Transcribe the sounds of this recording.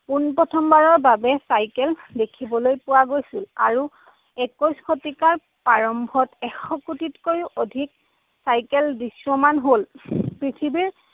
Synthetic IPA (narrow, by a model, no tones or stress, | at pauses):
punpɔtʰɔmbaɹɔɹbabɛsajkɛldekʰibɔlojpʊwaɡojsila̰ɹu | ɛkɔskʰotikaɹ | paɹɔmbʱɔtɛxɔkutitkojʊʔodʱik̚ | sajkɛldiswɔmanɦolpɹitʰibiɹ